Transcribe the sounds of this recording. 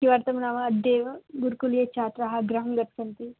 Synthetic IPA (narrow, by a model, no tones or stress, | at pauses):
kiʋaːɾt̪ɐmnaːmɐːɖ̪ːeːʋɐɡuɾkulijet͡ʃaːt̪ɾaɦɐɡɾɐɦɐmɡɐt̪kɐnt̪i